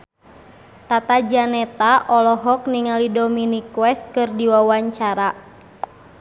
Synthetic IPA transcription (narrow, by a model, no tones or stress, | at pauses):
t̪at̪ad͡ʒanɛt̪aʔɔlɔɦɔk̚niŋalidɔminikwɛs̚kɨrdiwawaɲt͡ʃaɾa